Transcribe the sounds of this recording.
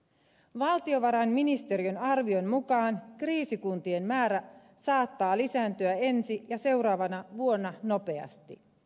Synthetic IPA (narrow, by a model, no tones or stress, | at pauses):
ʋɑlt̪io̞ʋɑɾɑnminist̪e̞ɾiø̞nɑrʋio̞nmukɑːnkriːsikunt̪ie̞mmæːɾæ | sɑːt̪ːɑːlisæːnt̪øæe̞nsijɑse̞wɾɑːʋɑnɑʋuo̞nːɑno̞pe̞ɑ̰st̪ḭ